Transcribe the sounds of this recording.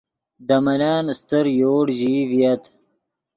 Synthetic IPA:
d̪ɐmɐnaːnst̪əɾjoːɽʑiːvijɐt̪

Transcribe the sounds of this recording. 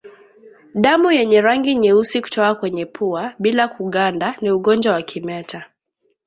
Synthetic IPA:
ɗamujɛɲɛɾaŋɡiɲɛusiku̥tɔkakwɛɲɛpʰuaɓilakuɠandaniuɠɔnd͡ʒwawakʰimɛta

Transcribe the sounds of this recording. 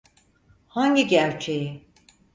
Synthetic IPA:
haɲɟiɟæɾt͡ʃʰe̞ji

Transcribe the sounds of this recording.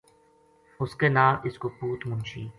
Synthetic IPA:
hoskɛnaːʔɪskopuːt̪mʊnt͡ʃiː

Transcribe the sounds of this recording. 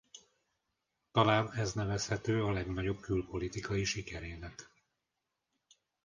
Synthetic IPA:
t̪ɒlaːnɛznɛvɛshɛt̪øːɒlɛɡnɒɟo̞b̚kylpolit̪ikʰɒiʃikɛɾeːnɛk

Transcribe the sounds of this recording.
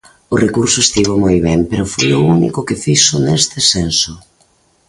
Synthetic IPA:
ʊrekuɾsʊest̪iβomojβɛmpeɾʊfo̰jʊunḭkʊkɪfisʊnest̪ɪsensʊ

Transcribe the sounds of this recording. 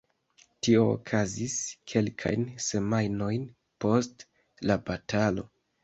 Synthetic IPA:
tio̞̰ːkʰaziskʰe̞lkʰa̰jnse̞majno̞jn | po̞st | labatʰalo̞̰

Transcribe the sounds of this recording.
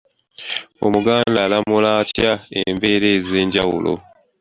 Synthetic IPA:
o̰muɡaːndalamulatjaembe̞ɾe̞ːze̞ːɲɟawṵlʔo̰

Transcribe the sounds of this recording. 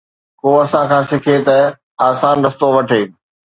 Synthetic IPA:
koːɐsãkʰãːsɪkʰet̪ɐ | aːsaːnɾɐst̪oʋɐʈʰeː

